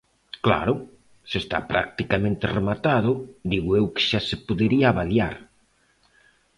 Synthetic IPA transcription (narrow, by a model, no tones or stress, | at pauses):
kla̰ɾʊ | sɪest̪a̰pɾa̰k̚t̪ikamẽnt̪ɪremat̪aðʊd̪iɣʊewkɪ̥ʃasɪpoðeɾiaːβalja̰ɾ